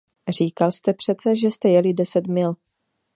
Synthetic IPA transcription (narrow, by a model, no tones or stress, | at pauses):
r̝iːkalst̪ɛpr̝̥ɛt̪t͡sɛʒɛst̪ɛjɛlɪdɛsɛt̪mɪl